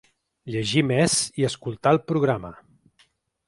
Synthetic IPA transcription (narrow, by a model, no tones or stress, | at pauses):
ʎəʒimez̥iəskulˠt̪aəlˠpɾuɣ̞ɾamə̰